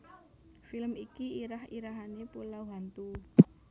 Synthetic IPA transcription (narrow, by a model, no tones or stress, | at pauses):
filmikiiɾahiɾaɦanepulawɦant̪u